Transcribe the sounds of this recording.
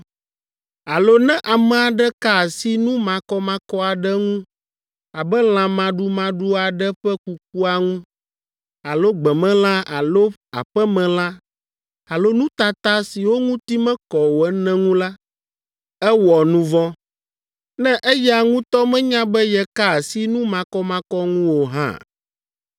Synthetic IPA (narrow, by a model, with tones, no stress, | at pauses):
a˨lo˦nɛ̃˦ʔa˨mɛ̃˨a˨ɖɛ˦ka˦˨si˦nũ˦mã˨kɔ˦mã˦kɔ˦a˨ɖɛ˦ŋũ˦ | a˨bɛ˦l̃ã˨mã˨ɖu˦mã˨ɖu˦a˨ɖɛ˦ɸɛ˦ku˨k̚u˦a˨ŋũ˦ | a˨lo˦ɡ͡bɛ˨mɛ̃˦l̃ã˦a˨lo˦a̰˨ɸɛ˦mɛ̃˨l̃ã˦ | a˨lo˦nũ˦t̪a˨t̪a˦si˨wo˦ŋũ˦t̪i˦mɛ̃˦kɔ˨wo˨ɛ˦nɛ̃˦ŋũ˦la˦ | ɛ˦wɔ˨nũ˦vɔ̃˦ | nɛ̃˦ʔɛ˦jɛ˦a˨ŋũ˦t̪ɔ˦mɛ̃˦ɲã˦bɛ˦jɛ˦ka˦˨si˦nũ˦mã˨kɔ˦mã˦kɔ˦ŋũ˦wo˨ɦã̰˦